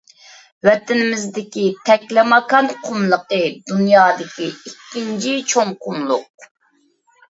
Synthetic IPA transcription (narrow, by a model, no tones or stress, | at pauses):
wɛt̪ɪnɪmɪzd̪ɪkʲit̪ʰɛkʲlɪmɑkɑnqʰʊmlˠəqəd̪unjɑːd̪ɪkʲiikʲːint͡ʃʰit͡ʃʰoŋqʰʊmlˠʊq̚